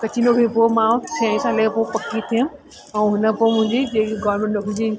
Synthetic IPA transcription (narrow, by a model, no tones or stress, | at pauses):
kɐt͡ɕʰinokĩpomãtʰãĩsãlepopɐkit̪ʰiʊ̃ | ɛ̃ɦʊnə̆poːmʊ̃ɦɪ̃ɲd͡ʑid͡ʑeːkeɡɔːʋɾmẽɳʈɗokĩd͡ʑi